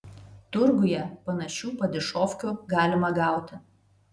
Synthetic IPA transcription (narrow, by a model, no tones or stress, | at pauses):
t̪ʊɾɡʊjɛpɐnɐʃʲuːpɐd̪ʲɪʃoːfʲkʲuːɡɑːlʲɪmɐɡɑˑʊt̪ʲɪ